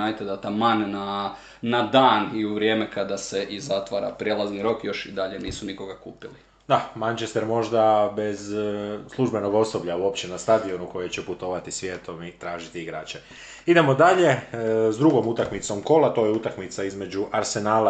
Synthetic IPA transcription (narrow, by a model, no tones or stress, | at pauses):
ajt̪ed̪at̪amanːa | nad̪aːniuʋɾjeːmekad̪aseʔizat̪ʋaːɾa̰pɾʲjelˠazniɾo̞kjo̞ʃid̪aʎe̞niːsuniko̞ɡakuːpili | d̪amant͡ʃe̞st̪eɾmo̞ʒd̪abe̞zslˠuʒbe̞no̞ɡo̞sobʎauo̞pt͡ɕe̞nast̪ad̪io̞nuko̞jet͡ɕeput̪o̞ːʋat̪isʋje̞ːt̪o̞mit̪ɾaːʒit̪iiɡɾaːt͡ɕe | id̪e̞mo̞d̪aʎe̞zd̪ɾuɡo̞mut̪akmit̪so̞mko̞lˠat̪o̞ːjeut̪akmit̪saizme̞d͡ʑuʔaɾse̞naːla